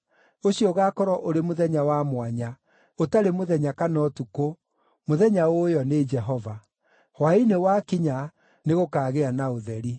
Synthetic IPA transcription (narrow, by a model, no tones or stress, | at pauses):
oɕiɔɣaːkɔɾɔʔoɾemoðɛɲawamwaɲa | otaɾemoðɛɲakanɔtuko | moðɛɲaojɔned͡ʒɛɦɔva | hwainewakiɲa | neɣokaːɣeanaoðɛɾi